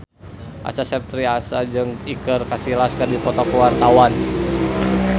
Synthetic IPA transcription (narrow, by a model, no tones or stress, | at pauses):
ʔa̰sasɛp̚t̪ɾiasad͡ʒɨŋikərkasilaskɨrdipɔt̪ɔkəwart̪awan